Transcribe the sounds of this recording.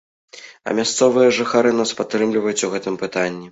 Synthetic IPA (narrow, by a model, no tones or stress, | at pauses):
ɐ̰mʲast̪sɔvɨjɐʐɨxaɾɨn̪aspat̪ːɾɨmlʲivɐjut͡sʲuɣɛt̪ɨmpɨt̪anʲːi